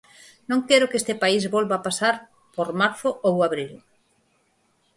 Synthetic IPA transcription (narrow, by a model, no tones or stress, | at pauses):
nõŋkeɾʊkest̪ɪpaizβolβaːpasaɾ | poɾmaɾθʊʔowaβɾil